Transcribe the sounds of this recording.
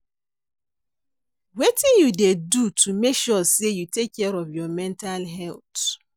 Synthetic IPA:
wetijudedutʰumekʃɔsejutekʰːɛɾɔvjɔmɛ̃ntalɦɛlt

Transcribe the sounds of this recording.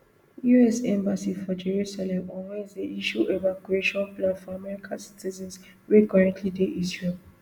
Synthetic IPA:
juɛsɛ̃mbasifɔd͡ʒeɹusalɛ̃mɔ̃nwezeiʃuʔevakueʃɔ̃nplãnfɔamɛɹikʰasi̥tizɛ̃ns | wekɔɹãntʰlideʔisɛ

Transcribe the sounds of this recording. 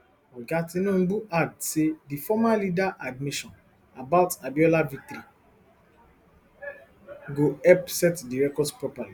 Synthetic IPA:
ɔɡatĩnɔ̃mbuʔaɡdsedifɔmalidaʔadmiʃɔ̃n | abaʊtabjɔlavitɾi | ɡoɛpsɛtdiɹɛkɔdspɹɔpali

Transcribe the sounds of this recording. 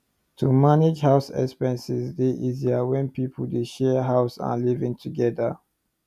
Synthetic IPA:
tʰumaned͡ʒɦaʊsɛ̰kspɛ̃nsizdeʔiziawɛ̃npipʰəldeʃɛɦaʊsa̰livĩŋtʰuɡɛdə

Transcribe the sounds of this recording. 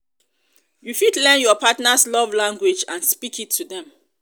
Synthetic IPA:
jufidlɛ̃njɔpʰatnaslɔvlãŋɡwɪd͡ʒãnspikitʰːudɛ̃m

